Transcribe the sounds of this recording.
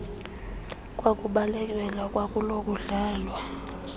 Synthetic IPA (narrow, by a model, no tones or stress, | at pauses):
kʼwakʼuɓalɛk̬ʼɛlakʼwakʼulokʼuɮaːlwa